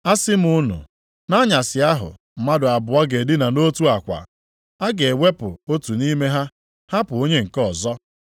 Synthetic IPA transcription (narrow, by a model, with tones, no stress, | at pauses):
a˦sɪ˦m̩˦ʊ˦nʊ̰˨ | na˦ɲa˨sɪ˨a˦ɦʊ̰˨ | m̩˨ma˦dʊ˨a˨bʊ˨a˦ɡe˨dɪ˦na˨no˦tu˦a˨kʷa̰˨ | a˦ɡe˨e˨we˦pʊ˨o˦tu˨ni˦me˦ɦa˦ | ha˦pʊ˨o˦ɲe˦ŋ̩˨kɔ˨zɔ˦